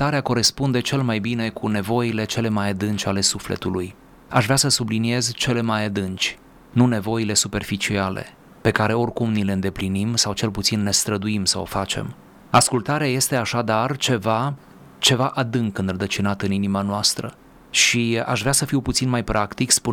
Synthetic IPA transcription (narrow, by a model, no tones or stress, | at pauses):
t̪aɾeako̞ɾe̞spund̪e̞t͡ʃe̞lmajbine̞kʰune̞vo̞jile̞t͡ʃe̞le̞majad̪ɨnt͡ʃʲale̞suflḛt̪uluj | aʃveasəsublinie̞zt͡ʃe̞le̞majad̪ɨnt͡ʃʲ | nune̞vo̞jile̞supe̞rfit͡ʃialḛ | pe̞kaɾe̞o̞rkumnile̞ɨnd̪e̞plinimsawt͡ʃe̞lput̪sinːe̞st̪ɾəd̪uimsa̰o̰fat͡ʃe̞̰m | askult̪aɾeaje̞st̪e̞aʃad̪art͡ʃe̞va | t͡ʃe̞vaʔad̪ɨŋkɨnrəd̪ət͡ʃinat̪ɨninimanoast̪ɾə̰ | ʃia̰ʃvɾeasəfiwput̪sinmajpɾʔakt̪ikspu